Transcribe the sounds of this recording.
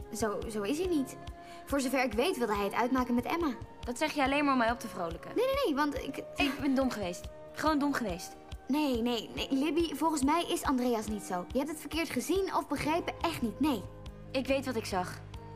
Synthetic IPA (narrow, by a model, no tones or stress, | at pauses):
zowzowɪs̬ɦinit | v̥ʊːɹzowvɛɹɪkʋejtʋɪlˠdəɦɛjətœ̰ɥtmaːkəmɛtɛ̰mad̥ɑtsɛχjəɑlejnmaːɹɔmɛjɔp̚dəvrowləkə̰nejnejnejʋɑntɪ̰kɪkbɛndɔmχəʋejst | χəʋowndɔmχəʋejst | nejnejnelɪbivɔlˠχənsmɛjʔɪsɑndrejɑsnitsowjəɦɛp̚tətfəɹkɪːɹtχəzinɔvbəχrejpəʔɛχtnitnej | ɪkʋejtʋɑtɪksɑχ